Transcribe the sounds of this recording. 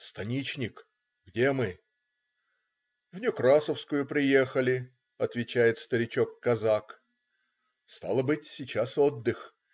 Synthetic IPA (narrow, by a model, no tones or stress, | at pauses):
st̪ɐnʲit͡ɕnʲɪk | ɡdʲe̞mɨ | vnʲukɾasəfskʊjʊpɾʲɪje̞xəlʲɪ | ɐt̪vʲɪt͡ɕæjɪt̪st̪əɾʲɪt͡ɕo̞kːɐzak | st̪a̰lˠəbɨtʲsʲɪt͡ɕaso̞d̪ːɨx